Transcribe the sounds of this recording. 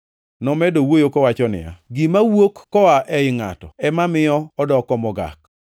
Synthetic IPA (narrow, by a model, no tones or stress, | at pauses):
nɔmɛdowojokɔwat͡ʃɔnɪ̰ja̰ɡimawokːɔaʔɛɪŋa̰tɔɛmamɪɔɔdɔkɔmɔɡa̰k̚